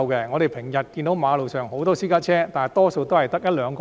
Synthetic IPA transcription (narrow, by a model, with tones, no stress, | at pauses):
wkɛ˧ŋɔː˨˧ɾe˨jpʰɪ˨˩ŋjɐ˨t̚kiː˧nt̪o˨˥wmaː˨˧lo˨wsœː˨ŋɦo˨˥wt̪ɔː˥siː˥kaː˥t͡ʃʰɛː˥t̪aː˨˩t̪ɔː˥so˧wt̪o˥whɐ˨jt̪ɐ˥k̚jɐ˥t̚lœː˨˧ŋkɔ